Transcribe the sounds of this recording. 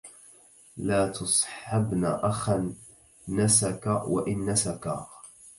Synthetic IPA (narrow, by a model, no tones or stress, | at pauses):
laːt̪ʰɑsˤħabnaːʔaxanː | asakawa̰ʔɪnːasaka